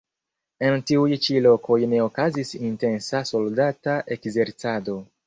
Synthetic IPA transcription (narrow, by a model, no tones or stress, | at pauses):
e̞ntiujt͡ʃilo̞ko̞jne̞okazisinte̞nsaso̞ldataʔe̞kze̞ɾt͡sado̞